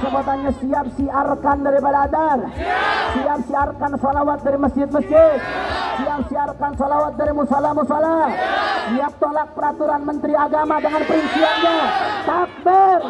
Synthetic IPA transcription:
səbuat̪anɲasiap̚siarkandaɾipadaːdarsiap̚siarkansalawat̪̚daɾiməsd͡ʒɪt̪̚məsd͡ʒɪt̪̚siap̚siarkansalawat̪̚daɾimusalamusalasiap̚t̪olak̚pəɾat̪uɾanmənt̪ɾiaɡamadəŋanpəɾinsianɲat̪ak̚bɪr

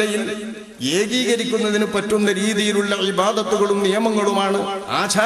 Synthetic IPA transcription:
ɐjil | e̞ːɡiːɣɐɾikʲːunːɐðinɨpɐtːunːɐɾiːðijiluɭːɐʕibaːd̪ɐt̪ːuɣɐɭumnijɐmɐŋːɐɭumaːɳɨa̰ːt͡ɕʰaː

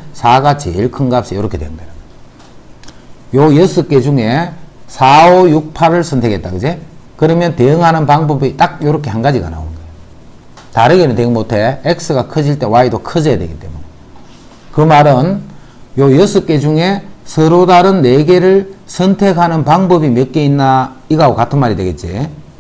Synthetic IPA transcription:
sʰaɡat͡ɕḛiɭkʰɯŋɡap̚ɕ͈ijoɾʌkʰe̞dweɯŋɡʌɾa | jojʌs͈ʰɯk͈ed͡ʑuŋe̞sʰaojuk̚pʰaɾɯɭsʰʌntʰe̞ket͈̚aɡɯd͡ʑekɯɾʌmjʌnteɯŋɦanɯnpaŋbʌbit͈ak̚joɾʌkʰe̞hanɡad͡ʑiɡa̰na̰onɡʌo | taɾɯɡenɯnteinmotʰe̞ek̚s͈ʰɯɡakʰʌd͡ʑiɭt͈e̞waidokʰɯd͡ʑʌjadwe̞ɡit͈e̞mune | kɯmaɾɯn | jojsʰɯk͈ed͡ʑuŋe̞sʰɯɾodaɾɯnːe̞ɡe̞ɾɯɭsʰʌntʰe̞kɦanɯnpaŋbʌbimjʌk͈einːaiɡaɡokatʰɯnmaɾidwe̞ɡe̞t̚t͡ɕ͈i

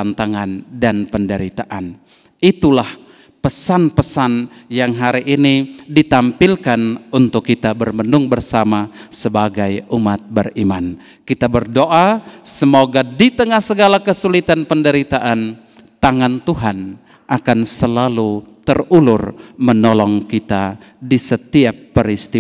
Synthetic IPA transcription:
ant̪aŋandanpəndəɾit̪aʔan | it̪ulah | pəsanpəsanjaŋɦaɾiʔinidit̪ampilkanunt̪ʊkːit̪abərmənʊŋbərsamasəbaɡajumat̪̚bəriman | kit̪abərdoʔasəmoɡadit̪əŋahsəɡalakəsulit̪anpəndəɾit̪aʔan | t̪aŋant̪uɦan | ʔakansəlalut̪ərulʊrmənɔlɔŋkit̪a̰ | disət̪iapːəɾist̪i

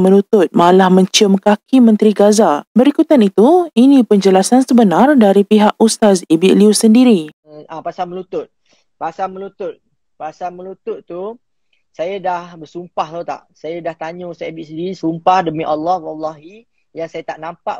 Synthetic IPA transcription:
mə̃lut̪ʊt̪̚malahmə̃ɲt͡ʃəmkakimə̃nt̪ɾiɡazabəɾikut̪anit̪uinĩpəɲd͡ʒəlasansəbənardaɾipiɦaʔust̪asibiʔliusəndiɾi | apasalmə̃lut̪ʊt̪̚ | pasaməlut̪ʊt̪̚ | pasalməlut̪ʊt̪t̪ːu | sajadahbərsumpaht̪at̪a̰ʔsajadaht̪aɲõsajabiʔsəndiɾisumpahdəmĩʔalːɔhwɑlːɑɦi | jaŋsajat̪aʔnampaʔ

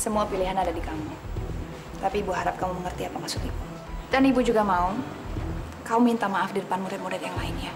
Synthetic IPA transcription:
səmuapiliɦanadadikamu | t̪apiːbuɦaɾap̚kamuməŋərt̪iapamasʊkibu | d̥anibud͡ʒuɡamaʊ | kaumint̪amaafdidəpanmuɾɛt̪muɾɛt̪̚jaŋlaɪnja

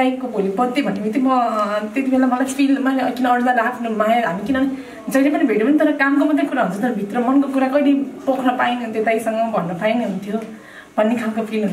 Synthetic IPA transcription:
ajkobʱolibʌd̪ːebʱʌniet̪imʌt̪et̪ibʱelamʌlajpʰilmakinʌːɽlalakʰnumajaɦamikinʌ | d͡zʌjlepʌnibʱeʈjopʌnit̪ʌɾʌkamkomʌd̪ʱjekuɾaɦũnt͡sʰʌt̪ʌɾʌbʱit̪rʌmʌnkokuɾakʌɽipokʰnʌpainɦunt̪jet̪ajsʌŋɡʌbʱʌnːʌpainiɦunt̪ʰjo | b̥ʱʌnːikʰalkopʰilɦun

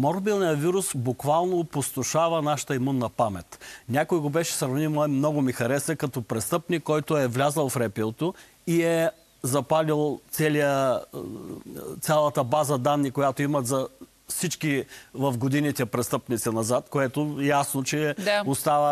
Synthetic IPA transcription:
mɔɾbilˠnijəviɾusbʊkvalˠnopost̪ʊʃavɐnaʃə̥t̪əimunːɐpamɛt̪nʲakojɛɡobɛʃɛ̥sɾɐvnimmnɔɡʊmixɐɾɛsɛkɐt̪ɔpɾɛst̪ɤpnikːɔjt̪ʊɛvlʲazəlˠfɾɛpit̪o | iɛ | zɐpalilˠt̪sɛlijə | t̪sʲalˠɐt̪əbazəd̪anːikojat̪oimɐt̪zɐ | fsit͡ʃkivɐfɡod̪init̪ɛpɾɛst̪ɤpnit̪sinɐzat̪koɛt̪ojasnot͡ʃɛost̪avə

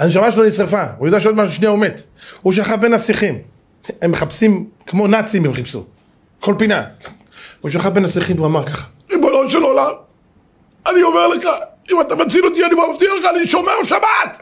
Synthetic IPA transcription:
aniʃ̬amaʃelonisʁefaujod̪eaʃeod̪maʃuʃneaomet̪ | huʃ̬aχafbenasiχim | emːeχapsimkmo̞nat͡simbimχipsṵ | kʰolpina | uʃ̬aχabenhasiχimuamaʁkaχḁ | ʁibononʃelolam | aniomeʁleχa | imat̪amat͡silot̪̬ianibamaft̪ialeχaːniʃomeʁʃabat̪

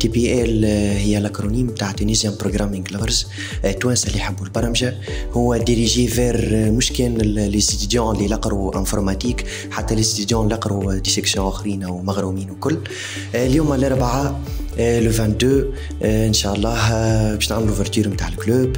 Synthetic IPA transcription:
t̪epiʔɛlhɪjːælakɾuniːmːt̪aːʕt̪ːunizjɛmpɾoɡɾamɪ̃ŋɡlaəɾz | t̪ːwænsalːiħabːulbɑɾˤɑmʒa | hʊwːæd̪iɾiʒevɛɾmuʃkɛnlɛsit̪d̪jɑ̃lilɑqɾuʔɛ̃fʊɾmæt̪iːk | ħat̪ːælɛst̪yd̪jɑ̃lɑqɾud̪isɛksjɔ̃ʔʊxɾiːnawmaɣɾumiːnwkʊlː | ljuːmlɑɾˤbaʕa | ləvɛ̃nt̪̚d̪ø | ənʃaʔɑlˤːɑːɦbɛːʃnaʕməluvɛɾt̪yːɾmt̪aːʕɪlkløːb

